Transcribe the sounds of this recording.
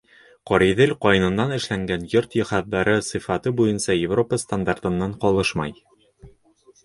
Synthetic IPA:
qɒɾiðɘlqɒjɤ̆nɤ̆nːɑnɘ̆ʃlæŋɡænjoɾt̪jŏhɑðːɑɾɤsɨ̆fɑt̪ɤbujɤnsɑjɪvro̞pəst̪and̪art̪ɤ̆nːɑɴqɒlˠɤʃmɑ̰j

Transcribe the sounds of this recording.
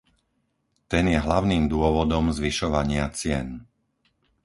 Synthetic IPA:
t̪ɛnjɛɦlaʊniːmd̪ʊɔʋɔd̪ɔmzʋiʃɔʋaɲɪat͡sɪɛn

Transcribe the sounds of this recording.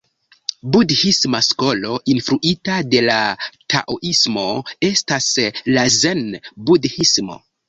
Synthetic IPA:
budhismasko̞lo̞ʔinfɾuʔitade̞latʰa̰ʔoʔismo̞e̞staslazenbudhismo̞̰

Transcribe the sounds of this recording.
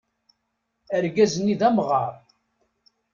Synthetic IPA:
əɾɡæzənːiðæmʁɑɾˤ

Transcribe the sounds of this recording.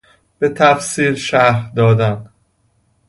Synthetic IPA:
b̥e̞t̪ʰæfsiːlʃæɾd̪ɒːd̪æn

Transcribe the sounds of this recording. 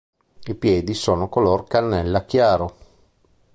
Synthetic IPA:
ipjɛːd̪isoːnokoloːrkanːɛlːakjaːɾo

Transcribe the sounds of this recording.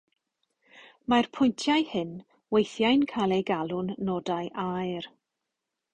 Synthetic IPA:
marpʰʊjntʰjajhɨn | wejθjajnkʰalˠejɡalˠʊnːɔdajʔajr

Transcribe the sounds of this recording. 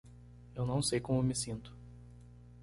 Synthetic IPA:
ewnɐ̃w̃sejkõmʊmɪsĩnt̪ʊ̥

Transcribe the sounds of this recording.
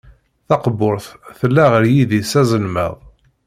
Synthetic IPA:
θɑqəboɾˤθθəlːæʁəɾjiðisæzˤəlmə̰ðˤ

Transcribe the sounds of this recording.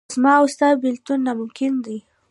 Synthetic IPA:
zmɑwʊst̪ɑjbɪlt̪unːamʊmkɪnd̪i

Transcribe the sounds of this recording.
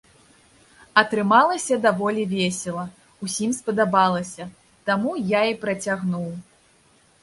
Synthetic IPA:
ɐt̪ɾɨmalˠɐsʲɐd̪avɔlʲivʲesʲɛlˠɐ | usʲimspɐd̪abalˠɐsʲɐ | t̪amujaipɾɐt͡sʲaɣnuw

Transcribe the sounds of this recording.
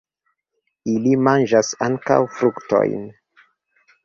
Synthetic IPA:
ilimand͡ʒasaŋka̰wfɾukto̰jn

